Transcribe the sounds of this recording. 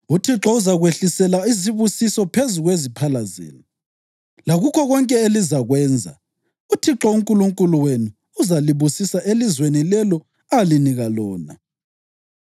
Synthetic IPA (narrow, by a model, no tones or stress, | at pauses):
utʰiǁɔuzaɣweɬisɛlaiziβusisɔpʰezuɣwezipʰalazḛːnu | laɣukʰɔɣɔŋkʼɛelizaɣwɛːnd͡zʱa̰ | utʰiǁɔuŋkʼuluŋkʼuluwenuː | zaliβusisaʔelizwenilɛlɔ | aliniɣalɔːna̰